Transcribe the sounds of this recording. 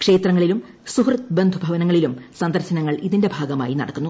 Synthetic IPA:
kʂe̞ːt̪rɐŋːɐɭilum | suhrɐt̪bend̪ʱubʱɐʋɐnɐŋːɐɭilumsɐnd̪ɐɾɕɐnɐŋːɐɭiðinde̞bʱaːɡɐma̰ːjinɐ̰ɽɐkːunːu

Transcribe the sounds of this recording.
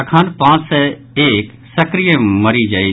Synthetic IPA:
kʰãːnpãːt͡ʃsɛ | eːk | sɐkɾijəməɾid͡ʒai

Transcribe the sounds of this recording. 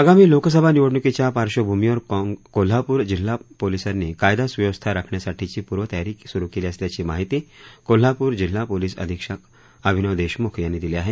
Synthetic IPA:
aɡamiːloks̬əbʱaniʋəʈnukit͡ɕjapaɾʃobʱuːmiɔɾkol̤ːapuɾd͡ʑilːapolisəɾnekajd̪asʋjəʋəst̪ʰaɾakʰɳjasaʈʰit͡ɕiːpuːɾʋət̪əjaɾiːksuɾukiliəsljat͡ɕimaɦit̪iːkol̤ːapuːɾd͡ʑilːapolisə̰d̪ʱikʂək | əbʱinəʋd̪eʃmukʰɾijanːed̪iliaːɦe

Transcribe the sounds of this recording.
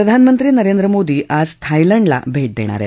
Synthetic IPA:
ɾɐd̪ʱaːnmənt̪ɾiːnɐɾeːnd̪ɾəmoːd̪iʔaːzt̪ʰajlɐɳɖla̰bʱeʈ̚d̪ḛːɳ̃a̰ːɾḛ

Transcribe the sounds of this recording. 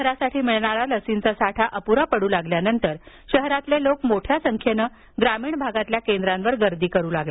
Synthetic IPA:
əɾasaʈʰiːmiɭɳaɾaləsint͡sasaʈʰaʔəpuɾapəɽuːlaɡljanənt̪əɾ | ɕəɦɾat̪lelokmoʈʰjasəŋkʰjenə | ɡɾamiːɳbʱaɡat̪ljakend̪ɾãnʋəɾɡəɾd̪iːkəɾuːlaɡle

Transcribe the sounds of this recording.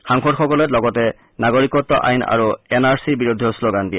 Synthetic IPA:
xaŋxɔdxɔkɔlɛtlɔɡɔtɛ | naɡoɹikɔtːɔʔa̰jna̰ɹuɛnaɹsibiɹodʱɔsloɡandijɛ

